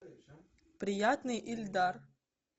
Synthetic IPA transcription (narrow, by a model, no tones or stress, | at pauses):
pɾʲijat̪nɨjʔilʲd̪ar